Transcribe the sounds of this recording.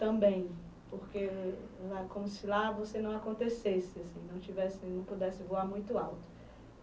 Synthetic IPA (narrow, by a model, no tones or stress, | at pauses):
t̪ɐ̃bẽj̃ | pohkelakõmʊsɪlavosenɐ̃w̃akõnt̪esesɪasĩnɐ̃w̃t͡ʃivɛsɪnɐ̃w̃pud̪ɛsɪvoaɾmũj̃t̪ʊawt̪ʊ̥